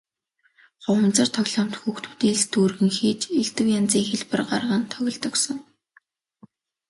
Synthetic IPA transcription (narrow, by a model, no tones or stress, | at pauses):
χʊw̆nt͡sə̆rt̪ʰɔɣɮɔːm̥t̪xuxt̪u̥ːt̪iːɮt̪ʰuːrɣɘ̆ŋxiːt͡ɕeɮt̪ɘ̆wjant͡siːŋxeɮpə̆rɢa̰rʁə̆nt̪ʰːœɣʲɪ̆ɮt̪ɞ̆ksɞ̆ŋ